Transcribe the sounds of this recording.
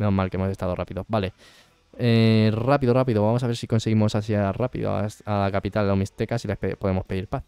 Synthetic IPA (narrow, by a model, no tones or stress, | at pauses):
omalkee̞moest̪að̞o̞rʔapiðobale̞ | erapiðorapiðoβamos̬aβeɾsiko̞nse̞ɣimo̞saθjarapḭðo̰a̰alakapit̪alomist̪e̞kasile̞hpepo̞ðe̞mo̞spe̞ðiɾpaθ